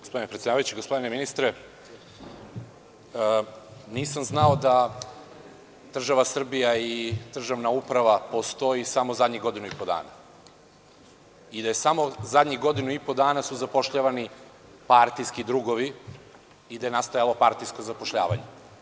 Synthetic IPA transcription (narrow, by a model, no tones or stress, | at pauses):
ɡospo̞d̪inepɾet̪sʲedaːʋajut͡ɕiɡo̞spo̞d̪ineminist̪ɾe | niːsamznaod̪a | d̪̥r̩ʒaʋasr̩bijaid̪̥r̩ʒaʋnaupɾaʋapo̞st̪o̞jisamozad̪ɲiɡo̞d̪inuipo̞d̪a̰ːna̰ | id̪aje̞samo̞zad̪ɲiɡo̞d̪inuipo̞d̪aːnasuzapo̞ʃʎaʋani | paɾt̪ijskid̪ɾuːɡo̞ʋiː | d̪aje̞nast̪ajalo̞paɾt̪ijskozapo̞ʃʎa̰ːʋa̰ɲe